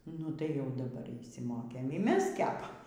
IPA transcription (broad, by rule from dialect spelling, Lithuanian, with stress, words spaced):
ˈnʊ tɐɪ jɛʊ dɐˈbɐr ɪʃʲsʲɪmoːkʲeːm iː ˈmʲɛs ˈkʲæːpɐm